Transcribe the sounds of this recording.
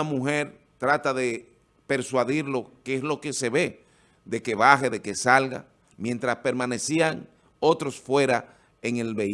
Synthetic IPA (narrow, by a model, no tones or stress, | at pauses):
amuxe̞ɾ | t̪ɾat̪aðe̞ | pe̞ɾswaðiɾlo̞keeslo̞ke̞se̞βe̞ | d̪e̞ke̞βaxeðe̞kesalɣa̰ | mje̞nt̪ɾaspe̞ɾmane̞siaŋ | o̞t̪ɾo̞sfwe̞ɾa | eŋe̞lβe